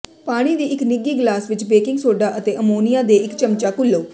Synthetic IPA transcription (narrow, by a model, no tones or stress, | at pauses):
paːɽ̃iːd̪iːɪknɪɡiːɡlaːsʋɪt͡ʃbeːkɪŋɡsoːɖaːʔət̪eːʔəmoːnɪjãːd̪eːɪkt͡ʃəmt͡ʃaːkʊlːəː